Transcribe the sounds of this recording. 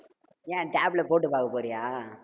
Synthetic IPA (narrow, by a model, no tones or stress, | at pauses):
jẽːʈaːblɐpoːʈːɯpaːkɐpoːɾɪjaː